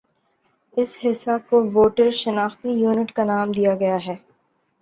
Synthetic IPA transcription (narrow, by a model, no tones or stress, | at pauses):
ɪshɪsːakoʋoːʈəɾʃɐnaːxt̪ijuːnɪʈkanaːmd̪ijaɡɐjaɦɛː